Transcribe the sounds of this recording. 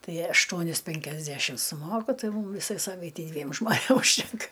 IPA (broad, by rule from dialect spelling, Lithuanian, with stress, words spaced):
ˈtɐɪ ɐʃˈtuɔnʲɪs pʲɛŋʲkʲɛzʲˈdʲæʃʲɪm sʊˈmoːkʊ ˈtɐɪ ˈmuːm ˈʋʲɪsɐɪ ˈsɑːʋɐɪtʲɛɪ ˈdʲʋʲiɛm ʒmoːˈnʲeːm ʊʃʲˈtʲɛŋkɐ